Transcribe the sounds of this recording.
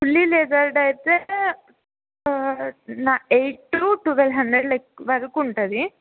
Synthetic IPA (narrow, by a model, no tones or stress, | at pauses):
kulːileːd͡ʒaɾɖɐjt̪ːe | naejʈːɾuʈuʋelɦɐɳd̪ɾeɖlɐkʋɐɾukuɳʈad̪i